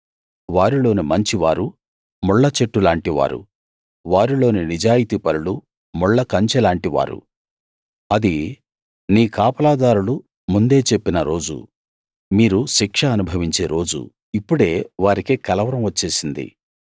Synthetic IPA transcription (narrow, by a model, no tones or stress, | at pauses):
ʋaːɾilo̞ːnimɐɲt͡ʃiʋaːɾu | muɭːɐt͡ʃeʈːulaːɳʈiʋa̰ːɾṵ | ʋaːɾilo̞ːninid͡ʒaːjit̪iːpɐɾulu | muɭːɐkɐɲt͡ʃɛlaːɳʈiʋa̰ːɾṵ | ɐd̪i | niːkaːpɐlaːd̪aːɾulu | mund̪e̞ːt͡ʃe̞pːinɐɾo̞ːd͡ʒṵ | miːɾuʃikʂɐːnubʱɐʋiɲt͡ʃe̞ːɾo̞ːd͡ʒṵ | ipːuɽe̞ːʋaːɾikekɐlɐʋɐɾɐmʋɐt͡ʃːe̞ːsind̪ḭ